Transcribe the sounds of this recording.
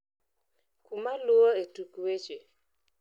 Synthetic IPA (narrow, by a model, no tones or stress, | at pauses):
kumalʊoetukwet͡ʃe